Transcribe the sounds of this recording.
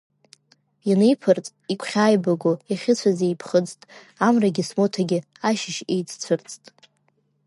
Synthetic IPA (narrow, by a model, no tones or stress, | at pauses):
janejpʰɨrt͡sʼikʷʰχʲaːjbaɡojaχʲɪt͡sʷʰazejpʰχət͡sʼtʼ | amraɡʲɪsmotʰaɡʲɪ | aʃɪʃejt͡sʰt͡sʷʰɨrt͡sʼtʼ